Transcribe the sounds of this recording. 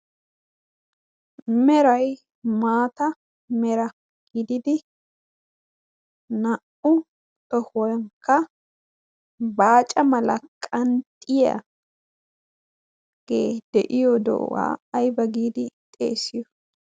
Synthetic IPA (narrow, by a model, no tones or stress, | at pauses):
mɛɾɐj | maːt̪ɐ | mɛɾɐ | ɡ̥ɪd̪ɪd̪ɪ | nɐʔʊ | t̪ɔhɔŋkːɐ | baːt͡ʃʼɐmɐlɐkʼɐnt̪ʼːɪjɐ̰ | ɡ̥eːd̪̥ɛʔɪjɔd̪ɔ̰ʔwa̰ːjbɐɡiːd̪ɪt̪ʼḛːsɪjɔ